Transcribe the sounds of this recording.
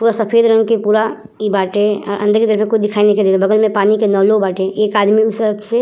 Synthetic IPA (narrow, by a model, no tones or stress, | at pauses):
puːɾasəpʰeːd̪ɾə̃ŋɡkepuːɾa | ibaːʈeɔ̰ɾʔə̰̃nd̪əɾkit̪əɾəfmẽkʊd̪ɪkʰaːineked̪eːd̪obəɡəlmẽpaːnikenɔːlobaːʈeʔeːkaːd̪miʊsəbse